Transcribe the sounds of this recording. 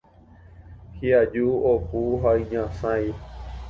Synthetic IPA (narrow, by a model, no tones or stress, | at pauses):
hiad͡ʒuopuɦaiɲãsãĩ